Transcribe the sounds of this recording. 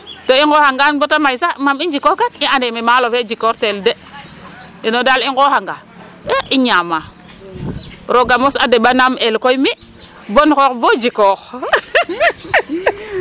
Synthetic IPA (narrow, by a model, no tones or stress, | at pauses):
toiŋkohaŋɡanbotamajsamamid͡ʒikoɡanianememalofed͡ʒikoɾtelde | inodaliŋkohaŋɡa | eiɲama | ɾoɡamosadeɓanamelkojmi | bonkokvod͡ʒikox